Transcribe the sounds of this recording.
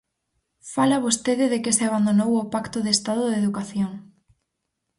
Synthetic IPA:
falaβ̞ost̪eðɪðekɪseaβand̪onowopakt̪oðest̪aðoðeðukaθjoŋ

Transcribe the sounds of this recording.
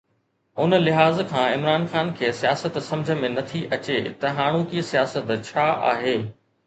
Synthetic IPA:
ʊnə̆lɪɦaːzkʰãːɪmɾaːnxaːnkʰeːsijaːsət̪sɐ̃md͡ʑʱə̆mẽnɐt̪ʰiʔɐt͡ɕet̪ɐɦaːɽ̃ukiːsijaːsət̪t͡ɕʰaːa̰ːɦeː

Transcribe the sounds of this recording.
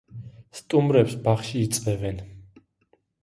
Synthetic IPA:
st̪ʼumɾɛpsbaχʃiːt̪sʼvɛvɛn

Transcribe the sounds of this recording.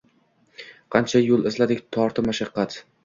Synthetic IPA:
qʰɑnt͡ʃʰajolˠɪzlad̪ɪkʲt̪ʰɒɾt̪ʰɪmaʃɑqːɑt̪

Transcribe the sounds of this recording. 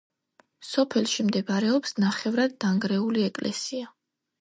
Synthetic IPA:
sɔpʰɛlʃimd̪ɛbaɾɛɔpsnaχɛvɾad̪ːaŋɡɾɛuliɛkʼlʔɛ̰sia

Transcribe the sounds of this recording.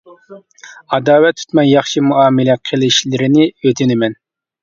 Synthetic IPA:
ɑd̪ɑːwɛt̪ʰːy̥t̪mɛnjɑχʃimuɑːmɪlɛqʰəlˠɪʃlɪɾɪnɪøt̪ʰɪnɪmɛn

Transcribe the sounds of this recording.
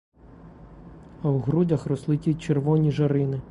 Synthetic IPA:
ɐwɦɾudʲɐxrɔslˠɪt̪ʲit͡ʃerʋɔnʲiʒɐɾɪnɪ

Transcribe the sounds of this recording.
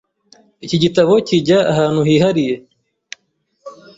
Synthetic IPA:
iciɟitaβo̞ciɟaːɦaːn̥huhiːhaɾije̞

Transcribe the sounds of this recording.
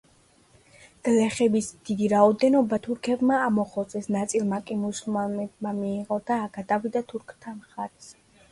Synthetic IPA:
d̪̥lɛχɛbisd̪̥id̪iɾaɔd̪ɛnɔbat̪ʰuɾkʰɛbmaːmɔχɔt̪sʼɛsnat̪sʼilˠmakʼimusulˠmanɛb̚mamiːʁɔd̪aːɡad̪avid̪at̪ʰuɾkʰt̪ʰamχaɾɛs

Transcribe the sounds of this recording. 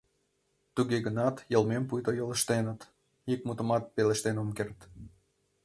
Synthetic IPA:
t̪uɣeɡənɑt̪jəlmempujt̪ojoləʃt̪enət̪ | ik̚mut̪əmɑt̪̚peleʃt̪enomkert̪

